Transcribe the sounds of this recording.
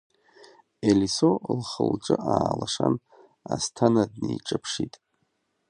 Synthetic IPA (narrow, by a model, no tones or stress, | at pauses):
elisolχəlʈ͡ʂʼɨʔaːlaʂan | astʰanadnejʈ͡ʂʼɨpʰʂitʼ